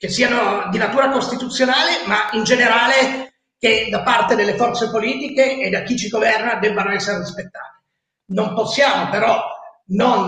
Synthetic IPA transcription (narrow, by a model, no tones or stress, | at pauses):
k̟esːiːanod̪inat̪uːɾakost̪it̪ut̪sːjonaːlemaind͡ʒeneɾaːle | ked̪apart̪ed̪elːefɔrt̪sepoliːt̪ikeːd̪ːak̟ːit͡ʃiɡovɛrnad̪ɛbːanoɛsːeɾerispet̪ːa̰ːt̪e̥ | nomposːjaːmopeɾɔnon